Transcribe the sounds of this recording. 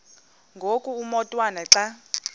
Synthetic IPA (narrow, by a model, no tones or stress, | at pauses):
ŋɡʱokʼuumɔtʼwanaǁa